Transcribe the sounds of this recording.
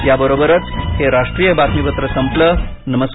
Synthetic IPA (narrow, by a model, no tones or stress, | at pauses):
jabəɾobəɾət͡sheɾaʂʈɾijəbat̪miʋət̪ɾəsəmplə | nəməs